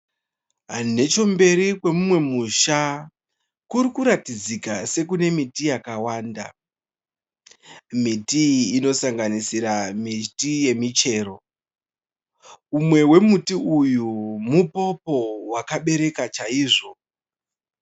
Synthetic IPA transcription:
ɦane̞t͡ʃo̞mbe̞ɾikwe̞mumwe̞muʃa | kuɾikuɾatid͡zikase̞kune̞mitijakawaːnda̰ | mitiːno̞saŋɡanisiɾamitije̞mit͡ʃe̞ːɾo̞ | umwe̞we̞mutiujumupo̞po̞wakaɓe̞ɾe̞kat͡ʃaiːʐo̞

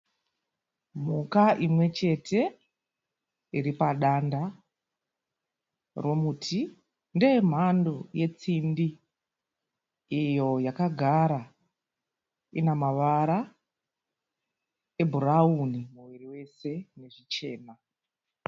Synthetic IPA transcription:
m̤ukaʔimwe̞t͡ʃe̞tʰe̞ | iɾipaɗanda | ro̞mutʰi | nde̞m̤andoje̞t͡simbi | ijo̞jakaɡʱaɾa | inamaʋaɾa | e̞bʱuraunimuwiriwe̞se̞ne̞ʐit͡ʃe̞ːna

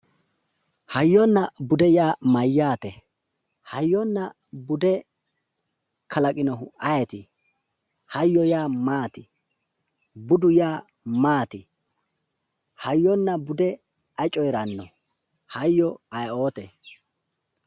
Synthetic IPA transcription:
hɐjːɔnːɐbʊd̪ɛjaːmɐjːaːt̪ɛ | hɐjːɔnːɐ | bʊd̪ɛ | kʰɐlɐkʼɪnɔɦʊɐjɛt̪ɪ | hɐjːɔjaːmaːt̪ɪ | bʊd̪ʊjaː | maːt̪ɪ | hɐjːɔnːɐbʊd̪ɛ | ɐt͡ʃʼɔjɾɐnːɔ | hɐjːɔɐjo̞ːt̪ɛ

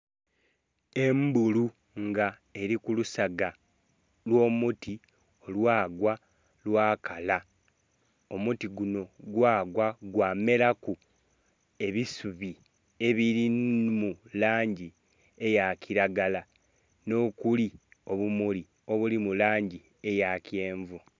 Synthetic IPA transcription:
e̞mbulu | ŋɡa | e̞ɾikulusaɡa | lwo̞ːmuti | o̞lwaːɡwa | lwaːkʰala | o̞mutiɡuno̞ɡwaːɡwaɡwaːme̞ɾaku | e̞βisuβi | e̞βiɾimulaːɲɟi | e̞jacʰiɾaɡala | no̞kulio̞βumuli | o̞βulimulaːɲɟi | e̞jacje̞ːɱvu

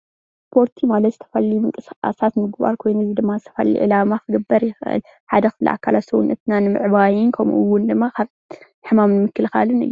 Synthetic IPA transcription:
spʰo̞ɾt̪ʰimalɐt̪zɨt̪ʰɐ̥fɐlːimɨkʼɨsʔa̰sat̪mɨɡba̰ɾkʰo̞jnuzid̪ɨmːazɨt̪ʰɐ̥fɐ̰lːḭʔɨ̰lamaxɨɡɐbːɐɾjɪxʔɨ̰l | ħad̪ɐxɨflḭʔa̰kʰːalat̪sɐwṵnʔɐt̪nanɨmɨ̰ʕbajɪnkʰɐm̰ʔɨwːʊnd̪ɨmːakʰaβ | ħɨmamnɨmɨkːɨlxa̰lɨnɨ̰jːu

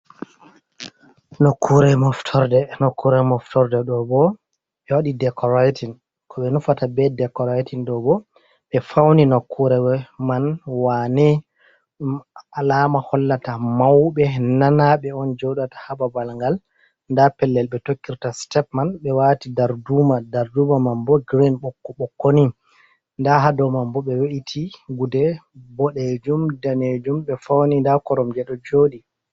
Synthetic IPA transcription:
nokːuɾɛmɔftʰɔɾdɛnokːuɾɛmɔftɔɾdɛɗɔbɔ | ɓɛwaɗidɛkʰɔɾatin | kʰɔɓɛnufatabɛdɛkɔɾatinɗɔbɔ | ɓɛfawninokʰːuɾɛwɛmanwanɛ | alamahɔlːatamawɓɛnanaɓɛɔnd͡ʒɔwɗatḁhababalŋɡal | ndapɛlːɛlɓɛtokːiɾtastɛpmanɓɛwatidaɾdumadaɾdumamambɔɡɾinɓɔkːɔɓɔkːoni | ndaɦadɔmambɔɓɛweʔitʰiɡudɛbɔɗed͡ʒumdaned͡ʒumɓɛfawnindakɔɾɔmd͡ʒɛɗɔd͡ʒoːɗi

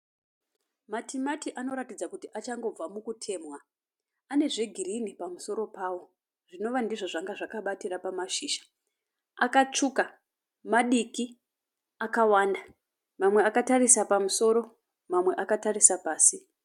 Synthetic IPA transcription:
matʰimatiʔano̞ɾatid͡zakutiʔat͡ʃaŋɡo̞b͡vamukutʰe̞ːmwa | ane̞ʐe̞ɡʱirinipamuso̞ɾo̞paːwo̞ | ʐ̥ino̞ʋandiʐoʐaŋɡaʐakaɓatirapamaʃiːʃḁ | akat͡ʂuka | maɗiki | akawaːnda | mamwe̞akatarisapamuso̞ɾo̞ | mamwe̞ʔakatarisapaːsi

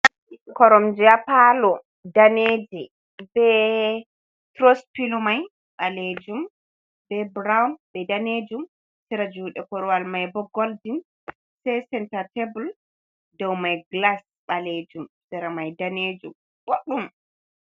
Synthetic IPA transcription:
kɔɾɔmd͡ʒiapalɔ | daneːd͡ʒi | bɛ | tɾospilɔmaj | ɓaled͡ʒum | bɛbɾawnbɛdaned͡ʒum | siɾad͡ʒuːɗɛkɔɾɔwalmajbɔɡɔldin | sɛsɛntatebul | dɔwmajɡlas | ɓaled͡ʒumsɛɾamajdaned͡ʒum | woɗum

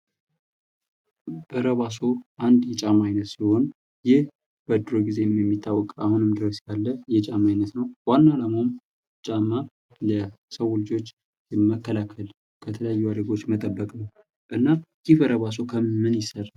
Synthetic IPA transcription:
b̥əɾəβas̬o̞ʔand̪jɛt͡ʃʼamajnət̪siho̞n | jɪh | b̥əd̪ɾoɡize̞jmjɛmːit̪ʰːawːɔkʼahunɨmd̪ɨɾəsjalːəjɛt͡ʃʼamajnət̪nəwwanːalamom | t͡ʃʼamːa | ləsəwʊlɨd͡ʒo̞t͡ʃː | məkːəlakʰəl | kʰət̪ʰələjajːuad̪əɡo̞t͡ʃːmət̪ʼəbːəkʼnəw | ʔɨnːaɡɪβəɾəβas̬o̞kʰəɨnjɪsəɾ

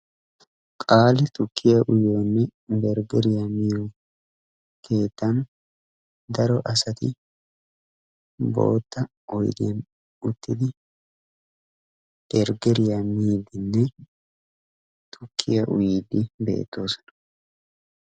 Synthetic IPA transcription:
kʼaːlɪt̪ʊkːɪjɐʔʊjoːnːɛbɛɾɡɛɾɪjamɪjo | kʰe̞ːt̪ːɐn | d̪ɐɾɔʔɐsɐt̪ɪ | bo̞̰ːt̪ːɐ | ʔɔjd̪ɪjɐn | ʊt̪ːɪd̪ɪ | b̥ɛɾɡɛɾɪjamiːd̪ɪnːɛ | t̪ʰʊkʰːɪjɐʔʊ̰jiːd̪ːɪbe̞̰ːt̪ːo̞ːsɔ̥nɐ̥

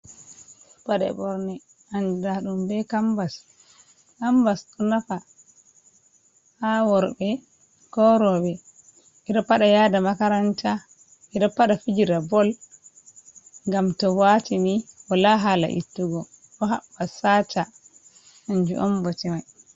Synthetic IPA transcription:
paɗɛ̰bɔɾnɛ | and͡ʒudaɗumbɛkambas | kambasɗunafa | hawɔɾbɛ | kɔɾɔbɛ | ʔiɾɔpːaɗajaːdamakaɾanta | ʔiɾɔpːaɗafid͡ʒiɾabɔl | ŋɡamtɔwatiniʔɔlaɦala̰ʔḭtːuɡɔ | ɗɔɦa̰ɓːasata | ʔand͡ʒṵʔɔmbɔtɛmaj

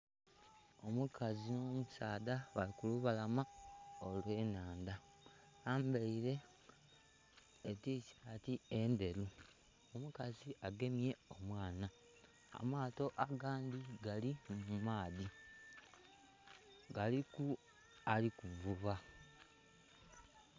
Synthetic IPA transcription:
o̞mukʰazino̞ːmusaːðaβalikuluβalamaolwe̞ːnaːnda | aːmbeiɾe̞ | ticaːtiende̞ɾu | omukaziaɡe̞mje̞o̞mwaːna | a̰maːto̞ʔaɡaːnd̪iɡalimumaːði | ɡaliku | alikuɱvuβa

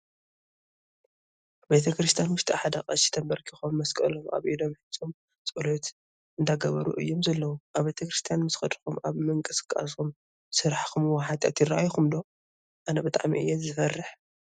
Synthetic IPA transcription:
be̞t̪ʰɐkɾɨst̪ʰijanwʊʃt̪ʰʼiħad̪ɐxʼɐ̰ʃi̥t̪ʰɐmbɐɾkʰixomːɐskʼɐlomʔa̰βʔid̪o̞mħɨt͡sʼom | t͡sʼulot̪ | ʔɨnd̪aɡɐβɐɾṵʔɨ̰jːomzɐlːɐwuʔaβbet̪ʰɐkɾɨst̪ʰijanmɨsxɐd̪ɾɨxumʔa̰βmɨŋkʼɨsɨ̥kʼa̰sum | sɨɾaħkumwɐħat̪ʼa̰t̪jɪraʔajxumd̪o̞ | ʔanɐbɨt̪ʼa̰ʕmiʔɨjːɛzɨfɐrːɨħ

